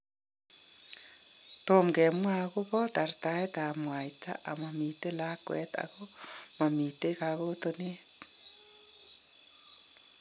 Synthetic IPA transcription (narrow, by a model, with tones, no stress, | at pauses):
t̪o˨mɡɛ˨mwako˦bɔta˨rta˦et̪a˨mwa˨jt̪a̰˦ʔa˨ma˨mi˨te˦lakwɛ̰t̪a̰ɣo | ma˨mi˨te˦kaɣot̪one˦t